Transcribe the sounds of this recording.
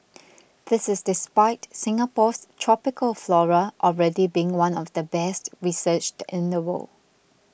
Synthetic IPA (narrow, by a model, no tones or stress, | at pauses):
d̪ɪsɪsdɪspaɪtsɪ̃ŋəpɔstʰɹ̥ɔpɪkəlflɔɹəʔɔlɹɛdibiɪ̃ŋwãnɔfdəbɛstɹisət͡ʃtʔɪ̃ndəwo̰l